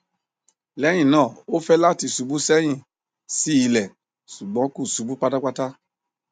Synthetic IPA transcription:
lɛ˨˦j̃ĩ˦˨nãː˦˨o˦fɛ˦la˦ti˧˨su˨bu˦sɛ˦j̃ĩ˦˨ | si˦i˧˨lɛ˨ | su˨ɡ͡bɔ̃˨˦ku˦˨su˨˦bu˦k͡pa˦ta˦k͡pa˦ta˦

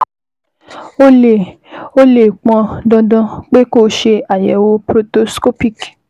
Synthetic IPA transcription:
o˦e˨ | o˦le˦˨k͡pɔ̃˧dɔ̃˧dɔ̃˧k͡pe˦ko˦ʃe˧a˨jɛ˨˦wo˧pɾo˧to˧sko˦pi˦˨k

